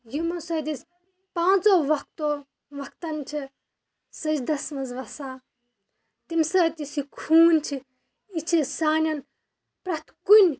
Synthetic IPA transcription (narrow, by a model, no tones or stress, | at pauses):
jimɐsɐd̪isʲ | pãːt͡soʋɐk̚t̪o | ʋɐk̚t̪ɐnt͡ʃʰi | sɐt͡ʃd̪ɐsmɐzʋɐsaː | t̪imsɐt̪isikʰuːnt͡ʃʰi | it͡ʃʰisaːnʲɐn | pɾɐt̪ʰkunʲ